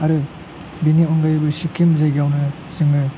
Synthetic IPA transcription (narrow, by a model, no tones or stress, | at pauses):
ɐɾɯ | biniɔŋɡajbɯsikʰimzajɡawnɯ | zɯŋɯ